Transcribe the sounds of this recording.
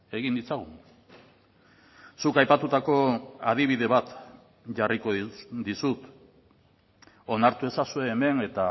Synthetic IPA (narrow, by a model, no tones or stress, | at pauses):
e̞ɣind̪it͡saɣuŋ | sukajpat̪ut̪ako̞að̞iβ̞iðe̞βat̪ | ʝariko̞ðd̪isut̪ | o̞naɾt̪ue̞sasue̞ːme̞ne̞t̪a